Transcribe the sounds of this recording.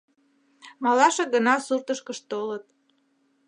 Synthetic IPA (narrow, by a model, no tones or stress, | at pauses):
mɑlɑʃeɡənɑsurt̪əʃkəʃt̪olət̪̚